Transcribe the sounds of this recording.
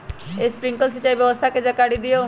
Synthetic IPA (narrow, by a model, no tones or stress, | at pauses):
espɾɪ̃ŋkəls̬it͡ʃaibjəʋəst̪ʰaked͡ʒakaɽid̪ijoː